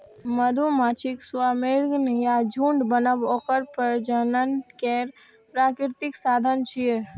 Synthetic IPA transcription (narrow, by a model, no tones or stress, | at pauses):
məd̪ʱumaːt͡ʃʰɪksʊamelɡnjad͡ʒʱũːɳɖbənəʋɔːkəɾpəɾd͡ʒənənkeːɾ | pɾaːkɪɾt̪ɪksaːd̪ʱənt͡ʃʰie